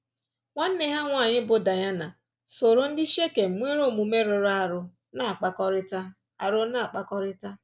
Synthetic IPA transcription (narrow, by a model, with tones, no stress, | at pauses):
ŋʷa˦n̩˦ne˦ɦa˦ŋʷa˨ɲɪ˦bʊ˨da˨ɲa˦na˨ | so˨ɾʊ˦n̩˦dɪ˦ʃe˦ke˨m̩˨ŋʷe˦ɾo˦˨mu˨me˦ɾʊ˨ɾa˨ɾʊ˨ | na˨a˨k͡pa˨kɔ˦ɾɪ˦ta˦ | a˨ɾʊ˦na˨k͡pa˨kɔ˦ɾɪ˦ta˦